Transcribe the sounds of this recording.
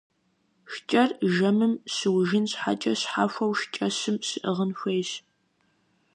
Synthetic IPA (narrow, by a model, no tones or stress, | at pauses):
ʃt͡ʃʼɐrʒɐmɨmsɨwʒɪnɕħa̰t͡ʃʼɐɕħaːfʷɐwʃt͡ʃʼɐɕɨmsɨʔəʁənxʷejɕ